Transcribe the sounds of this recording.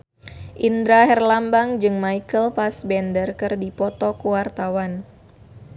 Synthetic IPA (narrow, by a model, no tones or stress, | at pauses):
ʔind̪ɾaɦɛrlambaŋd͡ʒɨŋmaikəlpasbɛndərkɨrdipɔt̪ɔkuwart̪awan